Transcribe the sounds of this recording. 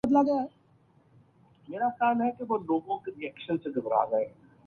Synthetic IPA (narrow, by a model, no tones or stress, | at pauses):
ɐd̪laɡəjaɦɛ | meːɾakaːnɦɛkeʋoloːɡõkeɾiɛːkʃənseɡ̪ɪbɾa̰ːɡɐeː